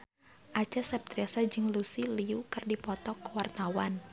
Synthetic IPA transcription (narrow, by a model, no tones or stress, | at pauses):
ʔat͡ʃasɛp̚t̪ɾiasad͡ʒɨŋlusiliukɨrdipɔt̪ɔkwart̪awan